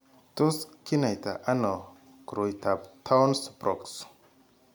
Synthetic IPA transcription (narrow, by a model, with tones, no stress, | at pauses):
t̪o˦ski˦na˨jt̪a̰ʔa˦nɔ | kɾojt̪ʰapt̪ʰa˦wnspɾʔɔks